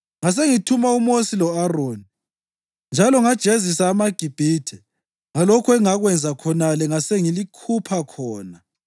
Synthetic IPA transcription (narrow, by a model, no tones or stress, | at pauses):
ŋas̬eŋitʰumaumosilɔaroːni | nd͡ʒʱalɔŋad̥ʒ̥ʱezis̬aːmaɡ̥ʱib̥ʱitʰɛ | ŋalɔkʰɔɛŋaɣwɛnd͡zʱakʰɔnalɛŋaseŋilikʰupʰakʰɔːna